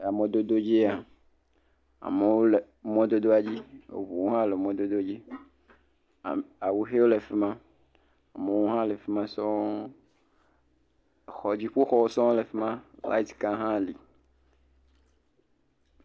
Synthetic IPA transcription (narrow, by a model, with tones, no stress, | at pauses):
a˨mẽ˨d̪o˦d̪o˦d͡ʑi˦a˨ | a̰˨me˨wo˦le˨ | mɔ̃˦d̪o˦d̪o˦a˨d͡ʑi˦wo̰˨vu˨wo˦ɦã˦le˨mɔ̃˨d̪o˦d̪o˦d͡ʑi˦˨ | a˨wu˨xe˦wo˦le˨fe˦mã˦ | a˨me˨wo˦ɦã˦le˨fe˦mã˦sɔ̃˦ | xɔ˨d͡ʑi˦ɸo˦xɔ˦wo˦sɔ̃˦o˦le˨fe˦mã˦la̰˦i˦t̪ka˦ɦã˦˨li˨